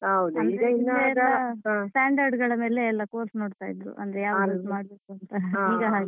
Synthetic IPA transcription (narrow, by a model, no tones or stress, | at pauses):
ɐwd̪ɐnd̪ɾeine | sʈaːɳɖɐɾɖɡɐɭɐme̞ːle̞ːlːɐkoːɾsno̞ːɽt̪aːjid̪ɾṵʔɐ̰nd̪ɾejaːʋaɾɐsmaːɽbe̞ːkuɐnt̪ɐiːɡɐɦaːɡi